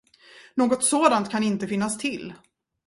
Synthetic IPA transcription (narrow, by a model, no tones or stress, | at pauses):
noːɡɔt̪soːd̪ant̪kʰanɪnt̪əfɪnːast̪ʰɪl